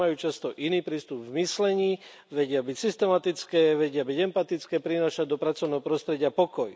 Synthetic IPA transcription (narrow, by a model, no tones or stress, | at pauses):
ajuːt͡ʃast̪ɔʔiniːpɾiːst̪ubvmislɛɲiː | ʋɛɟɪabicsist̪ɛmat̪it͡skɛːʋɛɟɪabiɟɛmpat̪it͡skɛːpɾinaːʃaɟd̪ɔpɾat͡sɔʊnɛːɦɔpɾɔst̪ɾɛɟɪapɔkɔj